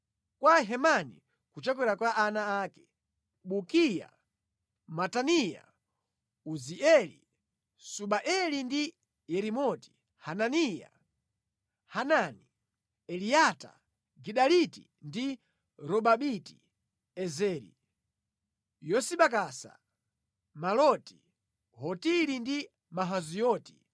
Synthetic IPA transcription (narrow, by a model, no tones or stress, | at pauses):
kwaɦɛmanḭ | kut͡ʃɛk̬wɛɾakwaʔːnaaːkɛ̥ | ɓukija̰ | matanija̰ | uziʔɛlḭ | suɓaʔɛlindi | jɛɾimɔti̥ | hananija̰ | hanani | ɛlijata̰ | ɡiɗalitḭ | ndi | ɾɔɓaɓiti̥ | ɛzɛːɾḭ | jɔsiɓakasa̰ | malɔti̥ | ɦɔtiɾindi | maɦazijɔːti̥